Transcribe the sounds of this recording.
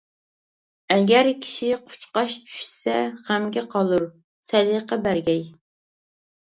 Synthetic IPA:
ɛɡʲæɾkʲʰi̥ʃiɪqʰʊ̥t͡ʃqɑʃt͡ʃʰy̥ʃsɛχæmɡʲɛqʰɑlˠuɾ | sɛd̪ɨqɑbæɾɡʲɛj

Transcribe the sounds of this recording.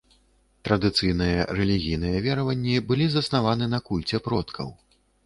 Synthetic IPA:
t̪ɾɐd̪ɨt̪sɨjnɨjɐɾɛlʲiɣʲijn̪ɨjɛvʲɛɾɐvɐnʲːibɨlʲizɐsnavanɨnɐkulʲt͡sʲɛpɾɔt̪kʰɐ̰w

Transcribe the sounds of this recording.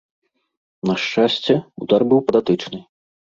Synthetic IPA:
nɐʂt͡ʂasʲt͡sʲɛud̪arbɨwpɐd̪at̪ɨt͡ʂnɨ

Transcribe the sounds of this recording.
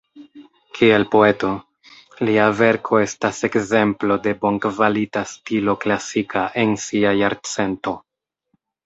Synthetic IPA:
kʰie̞lpo̞e̞to̞ | liave̞ɾkʰo̞e̞stase̞kze̞mplo̞de̞bo̞ŋkvalitastilo̞klasikʰaʔe̞nsiajaɾt͡se̞nto̞

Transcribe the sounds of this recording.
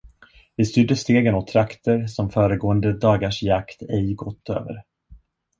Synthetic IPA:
vɪst̪ʏɖ̪əʂt̪eːɡənɔt̪ʰːɾakt̪əɾsɔmfœːɾəɡoːənd̪əd̪ɑːɡaʂjakt̪ʰɛjɡɔt̪ʰːø̰ːvə̰ɾ

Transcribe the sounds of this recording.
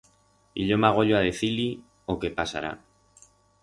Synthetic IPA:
ḭʎo̞maɣ̞o̞ʎoaðe̞θili | okepasa̰ɾa̰

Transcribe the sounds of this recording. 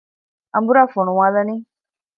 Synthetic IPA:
a̰mbuɾafɔnũwãðanĩ

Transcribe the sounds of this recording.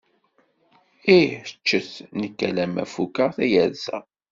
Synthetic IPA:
iət͡ʃːəθnəkːælæmæ̰fukəθæjæðsæ̰

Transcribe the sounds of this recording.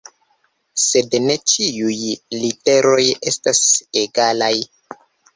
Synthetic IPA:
se̞dne̞t͡ʃiujlite̞ɾo̞je̞staseɡalaj

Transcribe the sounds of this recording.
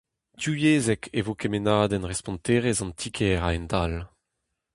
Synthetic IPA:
tyjeːzɛkʰevokemenaːd̪ɛnʁɛspɔ̃nt̪eːʁɛzɑ̃nt̪ʰikʰɛʁaɛndal

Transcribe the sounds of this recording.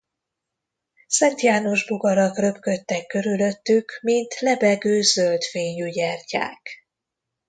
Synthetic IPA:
sɛnt̪jaːnoʒbuɡɒɾɒkrø̞pkø̞t̪ːɛkːø̞ɾylø̞t̪ːykmint̪lɛbɛɡøːzølt̪feːɲjyɟɛrca̰ːk

